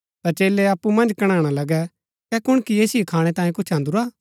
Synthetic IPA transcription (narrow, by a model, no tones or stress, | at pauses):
t̪ɐt͡ʃeːlːɛɐpːumɐ̃nd͡ʒkɐɽ̃ãːɽ̃alɐɡɛ | kɛkʊɽ̃kijeːsʊekʰaːɽ̃ɛt̪ãːjẽkʊt͡ʃʰɐ̃nd̪ʊɾaː